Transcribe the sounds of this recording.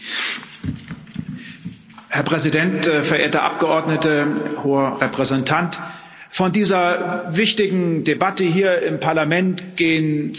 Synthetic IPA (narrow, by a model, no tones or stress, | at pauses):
hɛɐpʁ̥ɛzidɛntfɛɐʔeːɐtəʔa̰p̚ɡ̥əʔɔɐdnətəhoːəʁɛpʁ̥ɛzɛntʰant | fɔndiːzɐvɪçtɪɡŋ̩debatəhiːɐʔɪmpʰaɐlamɛntɡ̥eːən